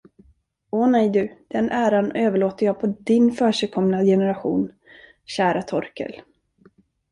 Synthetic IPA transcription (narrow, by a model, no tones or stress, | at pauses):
ɔnɛjd̪ɵd̪̥ɛnʔæːɾanøːvəɭoːt̪əjɑːpʰɔd̪ɪnfœːʂɛːkʰɔmnajɛnɛɾaɧṵːn | ɕæːɾat̪ʰɔɾkə̰l